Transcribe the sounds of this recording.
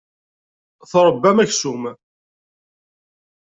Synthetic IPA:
θɾˤəbːæmæçsum

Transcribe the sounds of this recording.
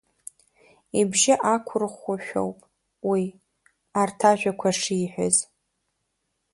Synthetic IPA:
ibʒɪʔakʷʰʊrχʷaʃᶣo̰wpʼ | wi | artʰaʒᶣʷakʷʰaʂiːħʷᶣʊ̰z

